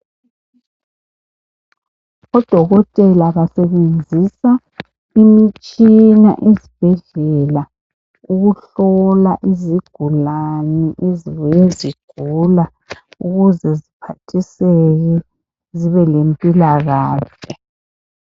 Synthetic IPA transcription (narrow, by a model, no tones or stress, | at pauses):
ɔd̥ʱɔɣɔtʼɛlaβasɛβend͡zʱisa | imit͡ʃʼina̰ʔezib̥ʱɛɮɛla | uɣuɬɔlaʔiziɡ̥ʱulanɛʔeziβɔjeziɡ̥ʱula | uɣuzɛzipʰatʰisɛɣɛ | ziβɛlempʼilaɣaːɬɛ